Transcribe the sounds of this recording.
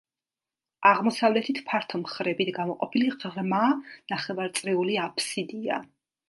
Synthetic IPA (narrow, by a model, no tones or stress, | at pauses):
aʁmɔsavlɛt̪ʰit̪ʰpʰaɾt̪ʰɔmχɾɛbit̪ʰɡamɔqʼɔpʰiliʁʁmanaχɛvaɾt̪sʼɾiuliapʰsid̪ia̰